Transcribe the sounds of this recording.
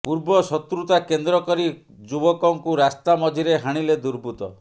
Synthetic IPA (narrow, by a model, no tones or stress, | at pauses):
puɾbɔsɔt̪ɾut̪akend̪ɾɔkɔɾi | d͡ʒubɔkɔŋkuɾast̪amɔd͡ʒʱiɾeɦaɽ̃iled̪uɾbʱut̪ɔ